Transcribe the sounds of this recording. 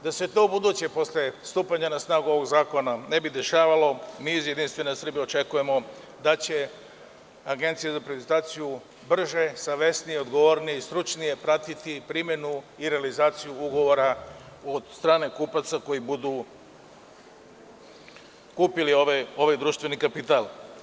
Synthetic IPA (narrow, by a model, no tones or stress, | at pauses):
d̪aset̪o̞bud̪uːt͡ɕe̞po̞slje̞st̪uːpaɲanasnaːɡuo̞ʋo̞ɡzaːko̞nane̞bid̪e̞ʃaːʋalo̞miizjed̪inst̪ʋe̞nasr̩bio̞t͡ʃe̞kuje̞mo̞ | d̪at͡ɕe̞ | aɡe̞nt̪sijezapɾeent̪aːt̪siju | br̩ʒe̞saʋe̞snijeo̞d̪ɡo̞ʋo̞ːɾnije̞ist̪ɾut͡ʃnije̞pɾat̪it̪ipɾimje̞nu | iɾe̞alizaːt̪sijuuɡo̞ʋo̞ɾa | od̪st̪ɾaːne̞kuːpat̪sako̞jibud̪u | kuːpilioʋo̞ʋajd̪ɾuʃt̪ʋe̞nikapit̪alˠ